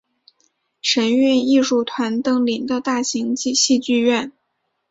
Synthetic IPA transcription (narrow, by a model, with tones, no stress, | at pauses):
ʂə˧˥ny˥˧ni˥˧ʂu˥˩t̪ʰwa˧˥nt̪ɤ˥ŋli˨˩ŋd̪ə˦t̪a˥˩ɕi˧˥ŋt͡ɕi˥˧ɕi˥˧t͡ɕy˥˧ɥɛ˥˩n